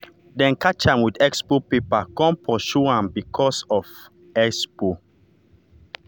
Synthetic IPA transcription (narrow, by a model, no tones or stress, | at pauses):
dɛ̃nkat͡ʃãmwidɛkspopepakɔ̃npʰɹɔʃuãmbikʰɔsɔf | ɛkspo